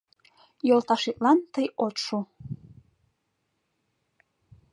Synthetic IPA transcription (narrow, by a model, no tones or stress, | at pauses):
jolt̪ɑʃit̪̚lɑnt̪əjot̪ʃu